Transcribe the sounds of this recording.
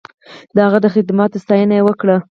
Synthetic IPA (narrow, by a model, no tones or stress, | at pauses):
d̪əhaɣad̪əxɪd̪mɑt̪st̪ɑjənajewəkɽa